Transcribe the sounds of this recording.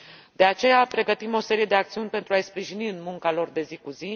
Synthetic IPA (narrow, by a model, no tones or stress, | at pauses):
d̪̥e̞at͡ʃe̞japɾe̞ɡət̪imo̞se̞ɾije̞d̪e̞ak̚t̪siunʲpent̪ɾuajspɾiʒiniɨnmuŋkalo̞rd̪e̞zikuzi